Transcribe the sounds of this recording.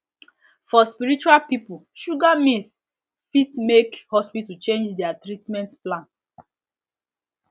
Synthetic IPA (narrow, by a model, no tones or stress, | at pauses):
fɔspiɹit͡ʃualpipu | ʃuɡamĩθ | fitmekhɔspitut͡ʃẽnd͡ʒdɛatɹitmɛ̃ntplãn